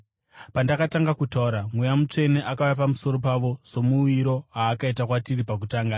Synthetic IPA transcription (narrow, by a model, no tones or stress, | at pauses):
pandakataŋɡakutauɾamwejamut͡ʂe̞neʔakaujapamuso̞ɾo̞paʋo̞so̞muiɾo̞ɦaːkaitakwatiripak̬utaːŋɡa